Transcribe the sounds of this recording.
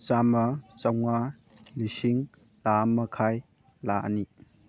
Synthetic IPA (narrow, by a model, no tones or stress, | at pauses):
t͡ʃamɐt͡ʃawŋa | lisiŋ | lamɐkʰaj | laʔa̰ni